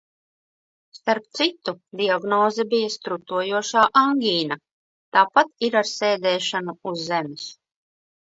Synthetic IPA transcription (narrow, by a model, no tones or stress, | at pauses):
st̪aɾp̚t̪sit̪ud̪iaɡnɔːzɛbijast̪ɾut̪uɔjuɔʃaːʔaŋɡʲiːna | t̪aːpat̪iɾaɾsɛːd̪ɛːʃanuuzːɛmʲis